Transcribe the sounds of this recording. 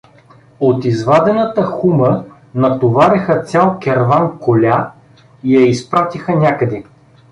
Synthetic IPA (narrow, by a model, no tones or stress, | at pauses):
ot̪izvad̪ɛnət̪əxumə | nɐt̪ovaɾɛxət̪sʲjalˠkʲɛɾvankolʲa | ijɐispɾat̪ixənʲakəd̪ɛ